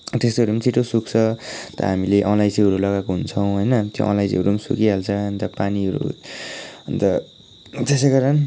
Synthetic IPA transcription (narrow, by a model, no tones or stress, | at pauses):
t̪est̪oɾimt͡sʰiʈosukt͡sʰʌt̪ʌ̰ɦamileʔʌnlajsiʌɾulʌɡakoɦunt͡sʰʌw̃ɦʌjnʌt̪jo̰ʌ̰nlajsḭʌɾumsukiɦalt͡sʰʌʌnt̪ʌpaniʌɾṵ | ʌnt̪ʌ | t̪eseɡʌɾʌn